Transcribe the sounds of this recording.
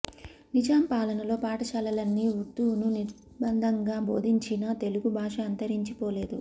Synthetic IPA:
nid͡ʒaːmpaːlɐnɐlo̞ːpaːʈɐʃɐlɐlɐnːiut̪ːununiɾ | bɐnd̪ʱɐŋɡaːbo̞̰ːd̪ʱiɲt͡ʃinɐt̪e̞luɡubʱaːʂɐːnt̪ɐɾiɲt͡ʃipɔːle̞ːd̪u

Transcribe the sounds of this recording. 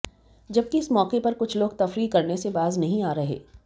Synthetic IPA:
d͡ʒɐb̚kiɪsmɔːkepɐɾkʊt͡ʃʰloːɡ̚t̪ɐfɾikɐɾnesebaːznɐɦĩaːɾɐɦḛː

